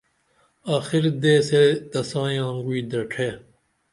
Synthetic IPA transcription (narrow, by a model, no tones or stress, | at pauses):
aːxiɾd̪eːsed̪ɐsãːj̃ãːŋɡuiːd̪ɐʈʰeː